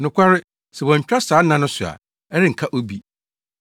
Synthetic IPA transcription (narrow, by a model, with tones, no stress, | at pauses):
nʊ̃˨kʷʰa˦ɾɪ˦ | sɛ˨wɔ̃˨ɲ̩˨t͡ɕᶣɾa˦saː˨˦nã˦nʊ̃˦sʊ˨a̰˨ | ɛ˦ɾɪ˦ŋ̩˨kʰa˦ʔo˦bi˦